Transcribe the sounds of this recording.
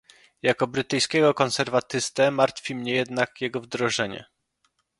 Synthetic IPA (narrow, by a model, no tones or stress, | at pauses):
jakɔbɾɘt̪ɘjskʲɛɡɔkɔnsɛɾvat̪ɘst̪ɛmaɾt̪fʲimɲɛjɛd̪nakjɛɡɔvd̪ɾɔʐɛɲɛ̰